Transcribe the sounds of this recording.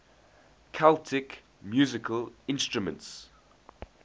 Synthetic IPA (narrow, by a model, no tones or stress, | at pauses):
kʰaltʰɪk | mjuːzɪkʰəlɪ̃nstɹʊmə̰̃nts